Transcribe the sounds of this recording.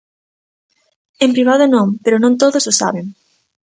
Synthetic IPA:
empɾiβ̞aðʊnõŋpeɾonõŋt̪oðʊsʊsa̰βeŋ

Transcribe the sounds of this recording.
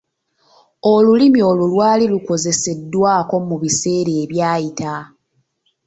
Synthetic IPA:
o̞lulimio̞lulwaːliluko̞ze̞se̞dːwaːko̞muβise̞ːɾeːβjaːjita

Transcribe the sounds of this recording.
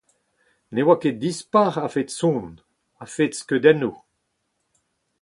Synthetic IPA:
newakedispaʁafet̪sɔ̃ːn | afetskød̪ɛno

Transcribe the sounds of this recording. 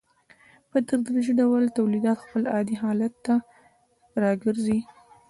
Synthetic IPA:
pət̪əɾd̪ɾaʒiɖawəlt̪awlid̪ɑt̪xpəlɑd̪iɦɑlat̪ːa | ɾɑɡəɾzi

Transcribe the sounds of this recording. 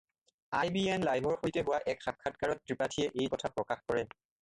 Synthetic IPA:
ajbiɛnlajbʱɔɹxojtɛɦʊwaʔɛkxak̚kʰːatkaɹɔt̚ːɹipatʰiɛʔejkɔtʰapɹɔkaxkɔɹɛ

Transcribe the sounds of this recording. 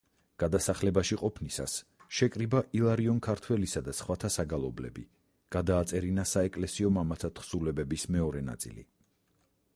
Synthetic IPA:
ɡ̥ad̪asaχlɛbaʃiqʼɔpʰnisa̰sʃɛkʼɾibaʔilˠaɾiɔnkʰaɾt̪ʰwɛlisad̪asχwat̪ʰasaɡalˠɔblɛ̰bḭ | ɡ̥ad̪aːt̪sʼɛɾinasaɛkʼlɛsiɔmamat̪sʰat̪ʰχsulɛbɛbismɛɔɾɛna̰t̪sʼḭlḭ

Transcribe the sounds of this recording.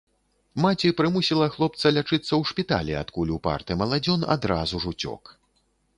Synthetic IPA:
mat͡sʲipɾɨmusʲilˠɐxlˠɔp̚t̪sɐlʲat͡ʂɨt̪sːɐwʂpʲit̪a̰lʲia̰t̪kulʲupa̰rt̪ɨmɐlˠad͡zʲɔna̰d̪ɾazuʐut͡sʲɔ̰k

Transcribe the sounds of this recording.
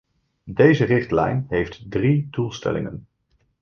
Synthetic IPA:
dejzərɪχtlɛ̰jnɦejftdridulˠstɛ̰lɪ̰ŋən

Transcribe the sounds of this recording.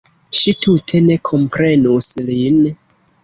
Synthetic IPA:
ʃitutʰe̞ne̞kʰo̞mpɾe̞nuslin

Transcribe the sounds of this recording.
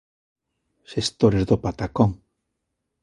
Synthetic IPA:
sest̪oɾezdopat̪akɔŋ

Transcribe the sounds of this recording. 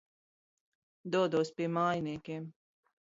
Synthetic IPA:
d̪uɔd̪uːspʲiɛmaːjniɛkʲeːm

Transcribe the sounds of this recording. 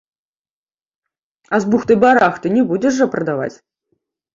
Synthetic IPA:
azbuxt̪ɨbaɾaxt̪ɨnʲɛbud͡zʲɛʂːɐpɾɐd̪ava̰t͡sʲ

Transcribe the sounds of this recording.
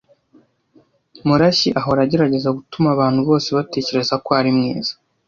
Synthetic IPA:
muɾaɕiʔaɦoɾaɟe̞ɾaɟe̞zaɡutumaːβaːnhuβo̞ːse̞βate̞ːce̞ɾe̞zakoaɾimŋḛːz̥ḁ

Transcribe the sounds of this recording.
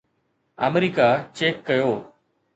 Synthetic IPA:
əmɾiːkat͡ʃeːkːəjoː

